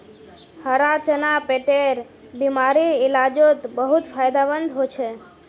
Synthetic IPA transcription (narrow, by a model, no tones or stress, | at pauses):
həɾat͡ʃənapeʈeɾ | bimaɾiɪlad͡ʒot̪bəɦut̪fʰajd̪abənd̪ʱɦojt͡ʃʰe